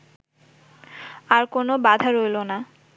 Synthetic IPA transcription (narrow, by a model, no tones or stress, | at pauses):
aɾkonobad̪ʱaɾojlona